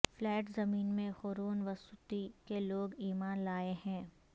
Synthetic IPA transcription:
flɛːʈzɐmiːnmẽxoːɾoːnʋɐsʊt̪ikeloːɡiːmaːnlaːehɛ̃ː

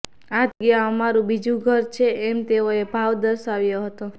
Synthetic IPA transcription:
ad̪ɡiaəmaɾũbid͡ʒũɡʱəɾt͡ʃʰeʔɛmt̪eoebʱaʋd̪əɾʃaʋjoɦət̪o

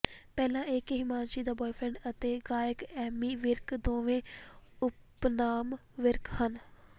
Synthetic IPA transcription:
pɛːlãːɪkɦɪmaːnʃiːd̪aːbɔːipʰɾɛ̃ɳɖət̪eːɡaːjɪkɛːmiːʋɪɾkd̪oːʋẽːʊpnaːmʋɪɾkhən

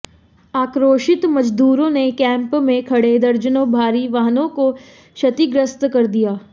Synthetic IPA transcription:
aːkɾoːʃɪt̪mɐd͡ʒd̪uːɾõnekɛ̃ːmpmẽkʰɐɽed̪ɐɾd͡ʒənõbʱaːɾiʋaːɦnõko | ʃɐt̪iɡɾəst̪kɐɾd̪ijaː

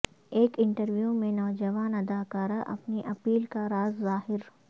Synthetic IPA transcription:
eːkɪ̃ɳʈəɾʋjumẽnɔːd͡ʒɐʋaːnɐd̪aːkaːɾaʔɐ̰pniʔɐpiːlkaɾaːzːaːɦɪɾ

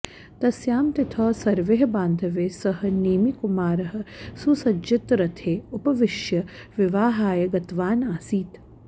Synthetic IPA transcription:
t̪ɐsjaːmt̪ɪt̪ʰɐːsɐɾʋeɦɐbaːnd̪ʱɐʋeːsɐɦɐ̆neːmikumaːɾɐɦɐ̆susɐd͡ʒɪt̪ɾɐt̪ʰeːupɐʋɪʃjɐʋɪʋaːɦaːjɐɡɐt̪ʋaːnaːsiːt̪

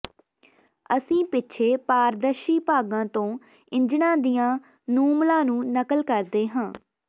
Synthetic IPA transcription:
əsĩːpɪtːʃʰeːpaːɾd̪əʃiːpaːɡãːt̪õː | ɪ̃ɲd͡ʒɳãːd̪ɪjãː | nuːmlãːnũːnəkəlkəɾd̪eːɦãː

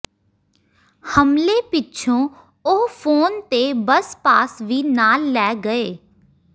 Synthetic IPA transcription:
həmleːpɪtːʃʰõː | opʰoːnt̪eːbəspaːsʋiːnaːlːɛːɡəeː

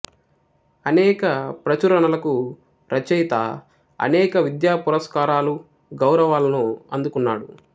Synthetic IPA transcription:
ɐnɛːkɐpɾɐt͡ʃuɾɐɳɐlɐku | ɾɐt͡ʃɛjt̪ɐ̰ | ɐ̰nɛːkɐʋid̪jaːpuɾɐskaːɾaːlu | ɡɐwɾɐʋaːlɐnuɐnd̪ukunːa̰ːɽu

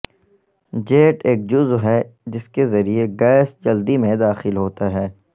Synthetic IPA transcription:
d͡ʒeːʈeːk̚d͡ʒʊzɦɛːd͡ʒɪskezɐɾieɡɛːɪsd͡ʒɐld̪imẽd̪aːxɪlɦoːt̪aɦɛː

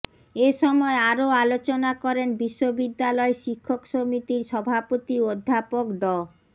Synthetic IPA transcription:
eʃɔmɔeaɾoalot͡ɕonakɔɾenbiʃːobid̪ːalɔeʃikʰːokʃomit̪iɾʃɔbʱapot̪iod̪ʱːapokɖɔ

